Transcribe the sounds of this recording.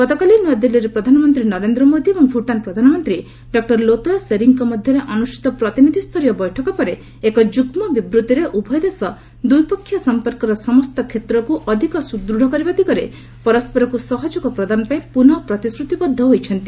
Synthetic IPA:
ɡ̥ɔt̪ɔkalinad̪eliɾepɾɔd̪ʱanɔmɔnt̪ɾinɔɾend̪ɾɔmod̪iebɔŋbʱuʈanpɾɔd̪ʱanɔmɔnt̪ɾi | ɖɔk̚ʈɔɾlot̪ɔaseɾiŋkɔmɔd̪ʱjɔɾeʔɔnuʃi̥t̪ɔpɾɔt̪inid̪ʱist̪ʰɔɾijɔbɔjʈʰɔkɔpɔɾe | ekɔd͡ʒuɡmɔbibɾut̪iɾeʔubʱɔjd̪esɔ | d̪ujpɔkʰːjɔsɔmpɔɾkɔɾɔsɔmɔst̪ɔkʰet̪ɾɔkuʔɔd̪ʱikɔsud̪ɾuɽ̤ɔkɔɾibat̪ikɔɾe | pɔɾɔspɔɾɔkusɔɦɔd͡ʒukɔpɾɔd̪anɔpaĩpunɔpɾɔt̪isɾut̪ibɔd̪ʱːɔɦojt͡ʃʰɔnt̪i

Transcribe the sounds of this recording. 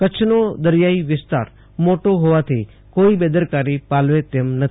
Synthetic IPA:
kət͡ʃʰnod̪əɾjaiʋɪst̪a̰ɾ | moʈoɦoʋat̪ʰi | koibed̪əɾkaɾipalʋet̪emnət̪

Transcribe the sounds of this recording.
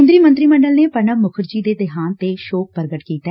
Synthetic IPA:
nd̪ɾiːmə̃nt̪ɾiːməɳɖəlneːpəɳəmʊkʰəɾd͡ʒiːd̪eːd̪ɪɦaːnt̪eːʃoːk̚pəɾɡəʈkiːt̪a

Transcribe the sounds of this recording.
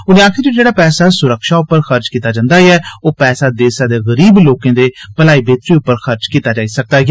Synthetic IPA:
ʊnẽaːkʰɪɾd͡ʒed͡ʒeːɽaːpɛːsaːsʊɾəkʃaːʊpːəɾxəɾt͡ʃkiːt̪aːd͡ʒãːnd̪aːiɛːoːpɛːsaːd̪eːsãːd̪eːɣəɾiːbloːkẽːd̪eːpəlaːiːbeːt̪ɾiːʊpːəɾxəɾt͡ʃkiːt̪aːd͡ʒaːisək̚d̪aːɡ

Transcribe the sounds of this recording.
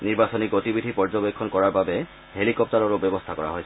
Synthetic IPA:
niɹbasɔniɡotibidʱipɔɹd͡ʒɔbekʰːɔnkɔɹaɹbabɛ | helikɔp̚taɹɔɹobɔbɔst̪ʰakɔɹa̰ɦojsʰɛ

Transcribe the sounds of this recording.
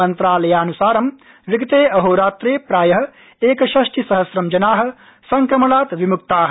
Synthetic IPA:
ɐnt̪ɾaːlɐjaːnusaːɾɐm | ʋiɡɐt̪eːɐɦoːɾaːt̪ɾeːpɾaːjɐɦɐ̆ | eːkɐʃɐʃʈʰisɐɦɐsɾɐmd͡ʒɐnaːɦɐ̆ | sɐŋkɾɐmɐlaːt̪ʋimuk̚t̪aːɦ

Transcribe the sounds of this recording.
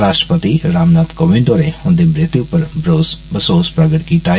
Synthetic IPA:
ɾaːʃʈɾə̥pət̪iɾaːmnaːt̪koːʋẽɳɖoːɾeʊ̃nd̪ebɾɪt̪jupəɾbɾoːsbɐsoːspɾɐɡəʈkit̪aː

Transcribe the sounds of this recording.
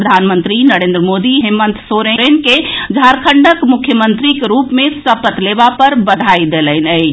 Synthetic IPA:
əd̪ʱanmənt̪ɾinəɾẽnd̪ɾəmod̪iɦemənt̪soɾeɾenked͡ʒʱaɾkʰəɳɖəkmukʰjəmənt̪ɾikeɾupmesəpət̪lebapəɾbəd̪ʱajd̪elənə

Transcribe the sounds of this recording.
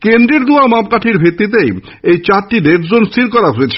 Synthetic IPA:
kend̪ɾeɾd̪uamapkaʈʰiɾbʱit̪ːit̪̬ej | ejt͡ɕaɾʈiɖebʰd͡ʑonst̪ʰiɾkɔɾaɦoet͡ɕʰe̥

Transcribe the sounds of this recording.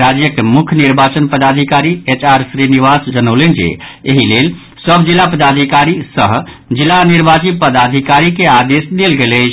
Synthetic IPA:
ɾad͡ʒjəkemukʰjniɾbat͡ʃənpəd̪ad̪ʱikaɾiet͡ʃaɾsɾiniʋasd͡ʒənəʊlend͡ʒḛeɦilel | səbd͡ʒilːapəd̪ad̪ʱikaɾisəɦd͡ʒilːaniɾbat͡ʃipəd̪ad̪ʱikaɾikead̪esd̪elɡelɛt͡ʃʰ

